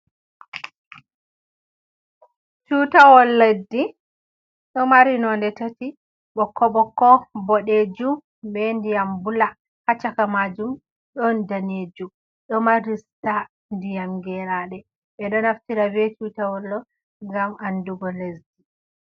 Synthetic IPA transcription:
t͡ʃutawɔlːedi | ɗɔmaɾinɔndɛtati | ɓɔkʰːɔɓɔkːɔbɔɗed͡ʒum | bɛndijambula | hat͡ʃːakamad͡ʒum | ɗɔndaned͡ʒum | ɗɔmaɾista | ndijamɡɛɾaɗɛ | ɓɛɗɔnaftiɾavɛt͡ʃutawɔlːɔ | ŋɡamanduɡɔlesdi

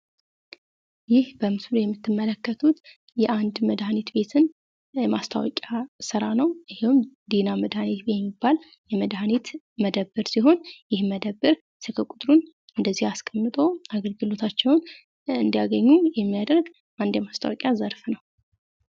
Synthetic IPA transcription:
jɪhbəmɨslujɛmːɨt̪ːɨmːələkːət̪ʰut̪ | jɛʔand̪məd̪hanet̪be̞t̪ʰɨn | ɛmast̪ʰa̰wɔ̰kʲʼasɨɾanəwɨhmd̪inaməd̪hanet̪jɛmːibːal | jɛməd̪hanet̪ | məd̪əbːɨɾsiɦo̞njɪhməd̪əbːɨɾ | sɨkʰəkʼut̪ʼɾun | ɨnd̪əzːihaskʰəmːɨt̪ʼo̞aɡəlɡɨlo̞t̪ʰat͡ʃːɛwn | ɨnd̪ijaɡəɲːujɛmːijad̪əɾɡ | ʔand̪jɛmast̪ʰa̰wɔkʼjazəɾfnəw

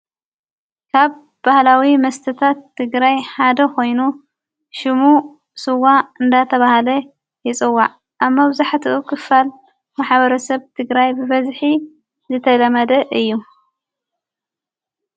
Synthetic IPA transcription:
kʰaβ | b̥ahlawimɐst̪ʰɨt̪ʰat̪ʰːɨɡɾajħad̪ɐko̞jnu | ʃɪmu | sɨwːaɨnd̪at̪ʰɐβahalɐ | jɪt͡sʼɨwːa̰ʕ | ʔaβmɐβzaħt̪ʰɨʔukʰɨfːal | maħβɐɾɐsɐβt̪ʰɨɡɾajbɨβɐzħi | zɨt̪ʰɐlɐmɐd̪ɐʔɨjːu

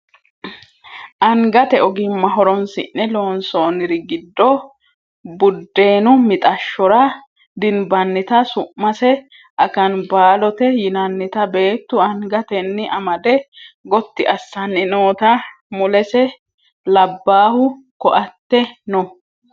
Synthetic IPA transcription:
ʔɐŋɡɐt̪ɛɔɡɪmmːɐɦɔɾɔnsɪ̰ʔːɛlo̞ːnsoːnɪɾɪɡɪd̪ːɔ | bʊd̪ːe̞ːnʊmɪt̪ʼɐʃːɔɾɐ | d̪ɪnbɐnːɪt̪ɐsʊʔːɐsɛ | ʔɐkɐnbaːlɔt̪ɛjɪnɐnːɪt̪ɐbe̞ːt̪ːʊɐŋɡɐt̪ɛnːɪɐmɐd̪ɛɡɔt̪ːɪʔɐsːɐnːɪnoːt̪ɐ | mʊlɛsɛ | lɐbːaːhʊ | kɔʔɐt̪ːɛnɔ

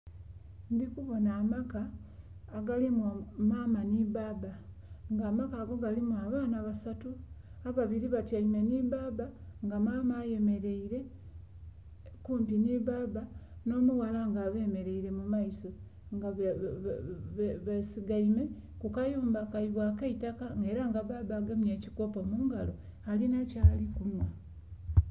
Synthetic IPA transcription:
ndikuβo̞naːmakaː | ɡalimamaːmanibaba | ŋɡaːmakaːɡo̞ɡalimwaːβaːnaβasatuaβaβiɾiβatjaime̞nibaːbaŋɡamaːmaːje̞me̞ɾe̞iɾe̞ | kuːmpiniβaːbano̞ːmuwalaŋɡaːβe̞ːme̞ɾe̞iɾe̞mumaiso | ŋɡa | βesiɡaime̞ | kukajuːmbakaiβwaːkaitakaŋɡe̞ːɾaŋɡaβaːbaɡamɲeːciko̞pomuːŋɡa̰lo̞ | alinacaːlikunwa

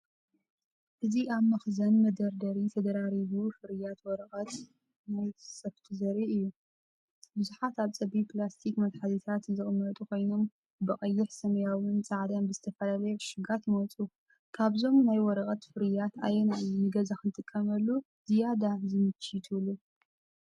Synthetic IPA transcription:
ʔɨziʔaβmɐxzɐnmɐd̪ɐɾd̪ɐɾit̪ʰɐd̪ɐɾaɾiβufɨɾɨjat̪wɔɾɐχʼɐt̪ | najsɐβt̪ʰɨzɐɾiɨjːu | bɨzuħat̪aβt͡sʼɐbipʰlast̪ʰikmɐt̪ħazit̪ʰat̪zɨχʼɨmːɐt̪ʼukʰo̞jno̞m | bɨχʼɐjːɪħsɐmɐjawʊnt͡sʼaʕd̪ɐnbɨzɨt̪ʰɐfɐlalɐjeʃɪɡat̪jɪmɐt͡sʼu | kʰaβzo̞mnajwɔɾɐkʼɐt̪fɨɾɨjat̪ʰa̰jɛnaɨɡɐzakɨnt̪ʼɨkʼːɐmɐlːu | zijad̪azɨmɨt͡ʃʰːit̪ʰulːu

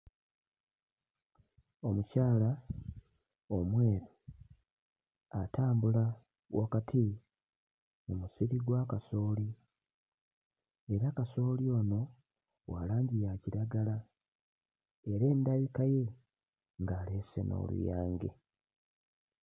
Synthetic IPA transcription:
o̞mucaːla | omwe̞ːɾo | ataːmbula | wʔakatʰi | mumusiɾiɡwaːkaso̞ːli | eɾakaso̞ːlio̞ːno̞ | wa̰laːɲɟijaciɾaɡala | e̞ɾe̞ːndaβikaje̞ | ŋɡaːle̞ːsḛno̰lṵja̰ːŋɡḛ

